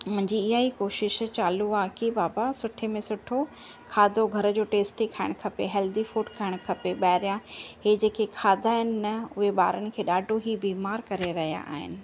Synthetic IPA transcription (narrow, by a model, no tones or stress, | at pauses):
mʊ̃ɦɪ̃ɲd͡ʑiɪɦaikoːʃɪʃt͡ɕaːluaːkibaːbasʊʈʰemẽsʊʈʰo | kʰaːd̪ʱoɡʱɐɾ̆d͡ʑoːʈeːsʈeikʰaːɪɽ̃kʰɐpeɦɛːld̪ifuːʈkʰaːɪɽ̃kʰɐpeɓaːɦɪɾijãɦeːd͡ʑeːkekʰaːd̪ʱaːɦɪnɪ̆nɐʊɦeɓa̰ːɾəñɪ̆kʰeːɗaːɖʱoɦibiːmaːɾkɐɾeɾɐɦija̰ʔa̰ːɦɪ̰nɪ̆